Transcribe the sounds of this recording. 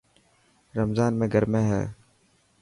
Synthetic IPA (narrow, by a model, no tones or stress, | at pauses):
ɾəmzaːnmẽːɡʱəɾmẽːɦɛ̰ː